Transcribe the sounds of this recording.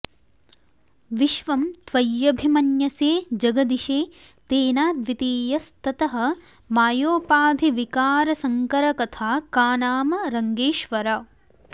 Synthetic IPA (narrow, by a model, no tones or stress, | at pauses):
ʋiʃʋɐmt̪ʋɐjːɐbʱimɐnjɐseːd͡ʒɐɡɐd̪iʃeː | t̪eːnaːd̪ʋit̪iːjɐst̪ɐt̪ɐɦɐ̆ | maːjoːpaːd̪ʱiʋikaːɾɐsɐŋkɐɾɐkɐt̪ʰaːkaːnaːmɐɾɐŋɡeːʃʋɐɾɐ